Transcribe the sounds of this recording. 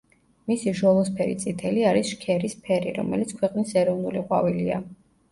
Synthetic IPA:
misiʒɔlˠɔspʰɛɾḭt̪sʼit̪ʰɛliaɾisʃkʰɛɾispʰɛɾiɾɔ̰mɛ̰lit̪sʰkʰwɛqʼnisɛɾɔvnuliqʼwavilia

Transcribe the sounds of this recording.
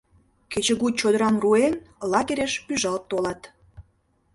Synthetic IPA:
ket͡ɕə̆ɣut͡ɕod̪əɾɑnruenlɑɣeɾeʃpyʒɑlt̪ːolɑt̪

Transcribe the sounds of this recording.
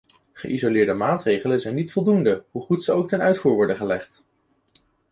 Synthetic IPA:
χə̰ʔizolɪːɹdəmaːtrejχələnzɛjnːitfɔlˠdundəɦuχutsəowk̚tɛnœɥtfuːɹʋɔɹdəχəlɛχt

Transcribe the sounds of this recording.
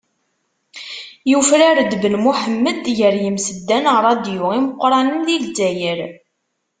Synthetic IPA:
jufɾaɾd̪bəlmuħəmːəd̪jəɾjəmsəd̪ːænəɾˤɑd̪jʊʁiməqːɾˤɑnəmðilzd͡zæjəɾ

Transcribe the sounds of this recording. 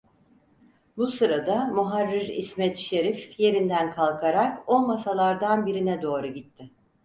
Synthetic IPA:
busɯɾad̪amuɦaɾːiɾḭsmɛt̪ʃe̞ɾifje̞ɾind̪ænkʰalˠkʰaɾako̞lˠmasalˠaɾd̪anbiɾinɛd̪o̞ːɾuɟit̪ʰːɪ

